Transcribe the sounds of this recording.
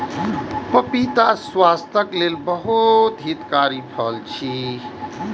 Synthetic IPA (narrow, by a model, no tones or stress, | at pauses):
pəpit̪aswast̪ʰəklelbəɦut̪ɦit̪kaɾipʰəlt͡ʃʰi